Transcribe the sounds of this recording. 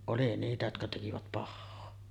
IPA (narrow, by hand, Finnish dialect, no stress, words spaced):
oli niːtæ jotkɑ tekiʋæt pɑhːoː